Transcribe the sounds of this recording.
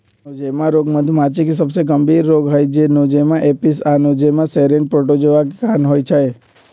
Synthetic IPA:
od͡ʒemãɾoːɡməd̪ʱumat͡ʃekisəbseɡəmbiːɾːoːɡɦəjd͡ʒenod͡ʒemãʔepis̬anõd͡ʒemãseɾẽɳɖ̚pɾoʈod͡ʒoʋakkaːnɦoːjt͡ʃʰəe

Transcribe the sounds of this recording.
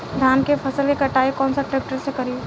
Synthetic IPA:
d̪ʱaːnkepʰɐsəlkekɐʈaːekɔːnsaʈɾeːk̚ʈəɾsekɐɾi

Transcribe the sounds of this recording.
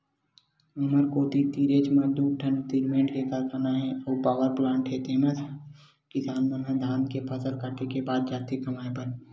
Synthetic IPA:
ʊməɾkoːt̪it̪iːɾeːt͡ʃməd̪uːʈʰə̃nt̪iɾmẽːɳʈkekəɾkənaɦɛ̃oːpaːʋəɾplãːɳʈʰeːt̪emẽt̪ʰ | kɪsaːnmẽnẽd̪ʱaːnkepʰəsəlkaːʈʰekebaːd̪̚d͡ʒaːt̪ikɐmaːepəɾ

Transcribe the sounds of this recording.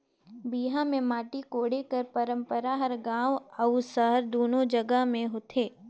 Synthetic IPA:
biːɦãmẽmaːʈikoːɽekɐɾpɐɾə̃mpəɾaɦɐɾɡãːwɐusəɦəɾd̪oːnod͡ʒɐɡəɦmẽɦoːt̪ʰeː

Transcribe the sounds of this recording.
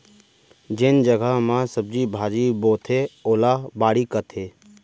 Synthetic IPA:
d͡ʒɪnd͡ʒəɡəɦmãsəb̚d͡ʒibʱaːd͡ʒiboːt̪ʰeoːlaːbaːɽikət̪ʰeː

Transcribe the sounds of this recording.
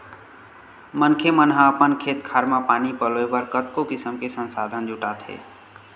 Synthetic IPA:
mənkʰemənɦəəpənkʰeːt̪kʰaːɾmãpaːnipəloebəɾkət̪̚kokɪsəmkesənsaːd̪ʱənd͡ʒʱuʈaːt̪ɦḛː

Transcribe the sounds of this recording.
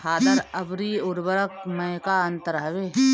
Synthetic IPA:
haːd̪ɐɾɐbɾiːʊɾbɐɾək̚mɐ̃jkaːɐnt̪əɾɦɐʋeː

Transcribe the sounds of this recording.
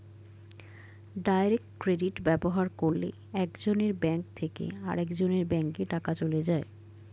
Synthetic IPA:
ɖajɾek̚ʈkɾeɖiʈbɛboɦaɾkoɾlḛ | ɛkd͡ʑoneɾbɛŋkt̪ʰekḛa̰ɾekd͡ʑoneɾbɛŋkeʈakat͡ɕoled͡ʑae

